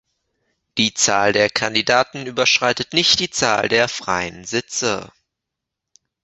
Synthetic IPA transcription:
d̥iːt͡saːldeːɐkʰandidaːtn̩yːbɐʃʁ̥aɪtətnɪçt̚d̥iːt͡saːldeːɐfʁ̥a̰ɪənzɪt͡sə̰

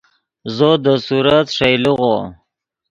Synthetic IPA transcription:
zod̪əsuɾat̪ʂajluɣo

